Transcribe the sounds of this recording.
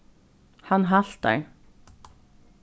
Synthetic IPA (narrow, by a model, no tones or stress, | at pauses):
hɑnɦɑlt̪̚d̪æ̰ɪ